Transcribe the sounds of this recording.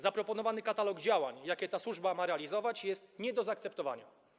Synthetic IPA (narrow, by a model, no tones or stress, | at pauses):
zapɾɔpɔnɔvanɘkat̪alɔɡd͡ʑawaɲjakʲɛt̪aswuʐbamaɾɛalʲizɔvat͡ɕjɛst̪ɲɛd̪ɔzaːk̚t̪sɛpt̪ɔva̰ɲa